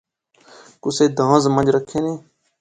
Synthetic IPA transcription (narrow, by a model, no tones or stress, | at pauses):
kʊseːd̪ʱãːzmə̃nd͡ʒɾəkʰːeːnẽː